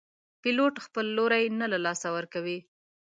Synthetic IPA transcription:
piloʈxpəlːoɾajnalalɑsawəɾkawi

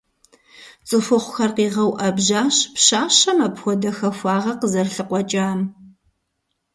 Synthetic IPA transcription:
t͡sʼɨfɨχʷʊxɐrqiːʁɐwʔɐbʑaːɕpɕaːɕɐmɐpxʷɔdɐxɐxʷɑːʁɐqəzɐrɬɨqʷɔt͡ʃʼaːm

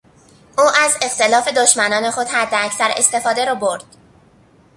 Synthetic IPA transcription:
ʔuːʔæze̞xt̪ʰe̞lɒːfe̞d̪oʃmænɒːne̞xo̞d̪hæd̪ːeæcsæɾe̞̰st̪e̞fɒːd̪e̞ɾɒːboɾd̪̥

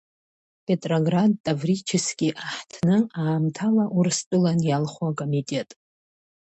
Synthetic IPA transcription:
pʰe̞tʼroɡrad̚tʼːavrit͡ʃʰɪskʲʼiʔaħtʰnɨaːmtʰalaʔurstʷʼɨlanjalχwakʼomitʼe̞tʼ

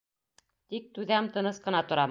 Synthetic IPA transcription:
t̪ik̚t̪ʉðæmt̪ɤ̆nɤsqɤ̆nɑt̪ŏɾɑm

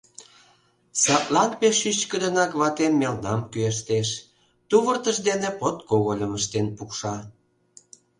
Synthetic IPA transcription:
sɑt̪lɑnpeʃyt͡ɕkə̆d̪ə̆nɑkβɑt̪emːelnɑmkyeʃ̬t̪eʃ | t̪uβərt̪əʃd̪enepot̪koɣolʲəməʃt̪enpukʃɑ

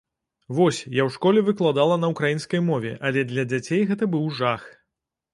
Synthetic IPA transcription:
vɔsʲjawʂkɔlʲɛvɨklˠad̪alˠɐnɐukɾajinskɐjmɔvʲɛʔɐlʲɛd̪lʲɐd͡zʲat͡sʲejɣɛt̪ɐbɨwʐax

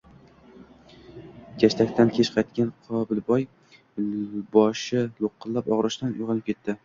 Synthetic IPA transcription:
kʲʰaʃt̪ʰakʲt̪ʰankʲʰet͡ʃqʰɑajt̪kʲanqʰɒbɪlbɒj | bɒʃɪlˠoqːɨlːapɒʁɾɪʃt̪anʊjʁɨnɪp̚kʲʰe̞t̪ːɪ

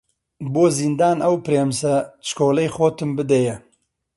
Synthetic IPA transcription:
boːzind̪aːnʔɐwpɾeːmsɐt͡ʃkʰoːlɐjχoːt̪ɨmbɨd̪ejɛ

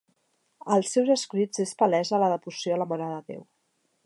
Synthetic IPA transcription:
əlˠsːewzəskɾid͡zespəlɛzələðəβusjoələmənaðəðḛw

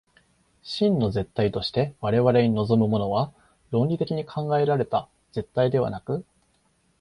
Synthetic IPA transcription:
ɕĩnːo̞ze̞t̪ːait̪o̞ɕi̥t̪e̞βaɾe̞βaɾe̞ɲ̟ino̞zo̞mɯ̟mo̞no̞βa | ɾõ̞nʲit̪e̞kʲiɲ̟ikʰãŋɡae̞ɾaɾe̞t̪a | z̥e̞t̪ːaid̪e̞β̞a̰nakɯ̟

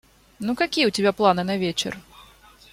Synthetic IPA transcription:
nukakʲijəwtʲɪbʲaplˠanɨnɐvʲet͡ɕɛ̰r

